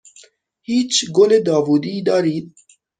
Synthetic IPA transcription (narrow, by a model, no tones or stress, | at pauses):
hiːt͡ʃɡoled̪ɑːvuːd̪id̪ɑːɾiːt̪̚